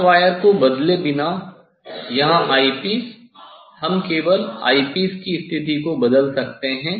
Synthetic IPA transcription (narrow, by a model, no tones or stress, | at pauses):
ʋaːjəɾkobɐd̪lebɪna | jɐɦãʔaːipiːs | hɐmkeːʋəla̰ːipiːskist̪ʰɪt̪ikobɐd̪əlsɐk̚t̪eɦɛ̃ː